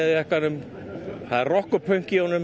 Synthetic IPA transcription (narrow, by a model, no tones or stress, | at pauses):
ðɛhkanʏm | haðɪɾrɔhkʏpʰœɥŋ̥ciownʏm